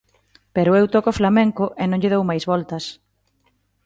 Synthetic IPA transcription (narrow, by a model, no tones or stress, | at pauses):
pɛɾʊewt̪ɔkʊɔflamɛ̃ŋkʊʔɪnõŋʎɪðowmajzβɔlt̪ɐs